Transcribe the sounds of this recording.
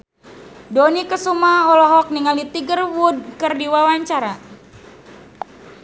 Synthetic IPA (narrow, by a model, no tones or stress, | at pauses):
donikəsumaɔlɔɦɔk̚niŋaldit̪iɡərwud̚kərdiwawaɲt͡ʃaɾa